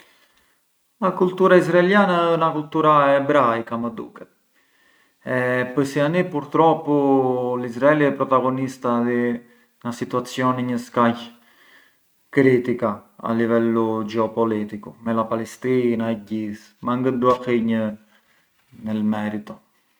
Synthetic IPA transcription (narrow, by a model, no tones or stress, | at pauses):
akult̪uɾaizɾaɛljanaənakult̪uɾaɛbɾajkaməd̪ṵkɛ | ɛpəɾsianipuɾt̪ɾɔpːulizɾaɛliɛpɾɔt̪aɡɔnist̪aði | nasit̪uat͡sjɔnɛɲəskaj | kɾit̪ikaa̰livɛlud͡ʒɛɔpɔlit̪ikumɛlapalɛst̪inaɛɟiθ | maŋɡəd̪uafiɲə | nəlmɛɾit̪ɔ